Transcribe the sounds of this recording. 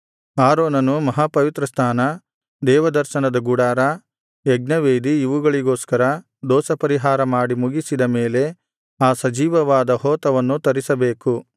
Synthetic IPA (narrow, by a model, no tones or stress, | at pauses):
aːɾoːnɐnumɐɦaːpɐʋit̪ɾɐst̪ʰaːnɐ | d̪ɛːʋɐd̪ɐɾʃɐnɐd̪ɐɡuɽaːɾa | jɛɡnɐʋeːd̪iiʋuɡɐɭiɡoːskɐɾɐ | d̪ɔːsɐpɐɾiɦaːɾɐmaːɽimuɡisid̪ɐme̞ːle̞ | aːsɐd͡ʒiːʋɐʋaːd̪ɐhɔːt̪ɐʋɐnːut̪ɐɾisɐbeːku